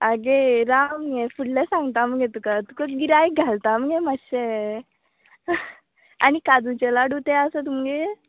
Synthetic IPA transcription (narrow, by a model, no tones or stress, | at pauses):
aɡeɾamɡefuɽlɛsãŋɡt̪aməɡet̪ukat̪ukəɡiɾajɡʱalt̪aməɡẽməɕe | a̰nikad̪ut͡ɕɛlaɽut̪ɛəsət̪umɡe